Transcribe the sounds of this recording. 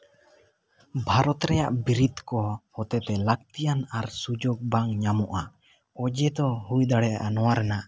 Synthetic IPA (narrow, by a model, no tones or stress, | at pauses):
bʱaɾɔt̪ɾɛja̰ʔbiɾid̪kɔhɔt̪ɛt̪ɛlak̚t̪ijanaɾsud͡ʒok̚baŋɲamɔʔa | ɔd͡ʒɛd̪ɔɦujd̪aɽɛjaʔanɔwaɾɛna